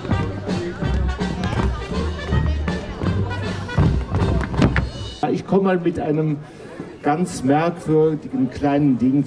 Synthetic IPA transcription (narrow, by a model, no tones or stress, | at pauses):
aʔɪçkʰɔməmaːlmɪtʔaɪnəm | ɡ̥ant͡smɛɐkv̥ʏɐdɪɡən̩kʰl̥aɪnəndɪŋ